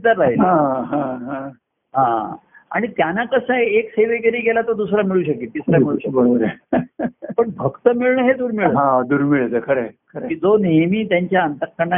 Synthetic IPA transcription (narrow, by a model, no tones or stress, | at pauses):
t̪əɾːaɦiãɦãɦã | ɦãa̰ɽ̃it̪janakəsə̃ekseʋeɡəɾiːɡelat̪od̪usɾamiɭuːɕəkiːt̪isɾamiɭuɕəkbəɭobəɾa | pəɳbʱəɡt̪əmiɭɳəɦed̪uːɾmiɭɦãd̪uɾmiɭet̪əkʰəɾekʰəɾekiːd͡zonemiːt̪jaɲt͡ɕjaənt̪əɾkːəɾɳa